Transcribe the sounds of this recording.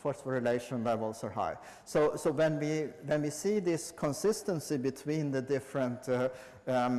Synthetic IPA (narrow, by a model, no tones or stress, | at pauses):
fɔɹsfəɹɪleɪʃə̃nlɛvəl̩ˠsəɦa̰ɪ | soʊsoʊwɛ̃nwiwɛ̃nwisiðɪskʰɔ̃nsɪstə̃nsibɨtʰw̥ĩnðədɪfɹə̃nt